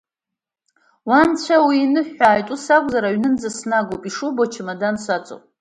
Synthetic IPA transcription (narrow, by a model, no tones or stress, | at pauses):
want͡ɕʷʰawiːnɨħaːjtʷʼusakʷʼzaɾaɥnɨnd͡zasnaɡopʼiʂubot͡ʃʰɪmadansʷat͡sʷʼo̰pʼ